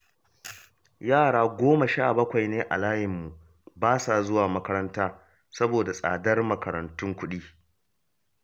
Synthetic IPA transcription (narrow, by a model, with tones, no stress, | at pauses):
jaː˦˨ɽaː˦ɡʷoː˦ma˨ʃaː˦˨bɐ˦kʷa˨jneː˦ʔa̰˨laː˦jɪ˨mːu˨ | baː˦sa˨zʊ˦waː˨mɐ˦kɐ˦ɾɐ˦ntaː˦ | sɐ˦boː˨da˨sʼa̰ː˨dɐ˦rmɐ˦˨kɐ˨ɾɐ̰˨ntʊ˦ŋkʷʊ˦ɗiː˦